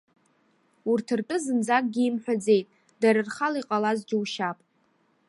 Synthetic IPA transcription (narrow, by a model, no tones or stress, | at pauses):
urtʰɨrtʼɨzɨnd͡zak̚ʼɡʲiimħʷᶣad͡ze̞jtʼ | daɾɨrχalaiqʼalazd͡ʒɪwʃapʼ